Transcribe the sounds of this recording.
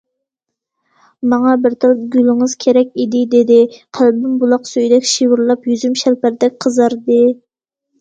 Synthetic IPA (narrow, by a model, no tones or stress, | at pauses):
mɑŋɑbɪɾt̪ʰɨlɡʲylɪŋɨz̥kʲʰeɾɛkʲid̪ɪd̪ɪd̪ɪqʰælbɪmbulˠɑqsøjd̪ɛkʲʃiwuɾlˠɑpjyzymʃælpæɾd̪ɛk̚ʲqʰəzɑɾd̪ɨ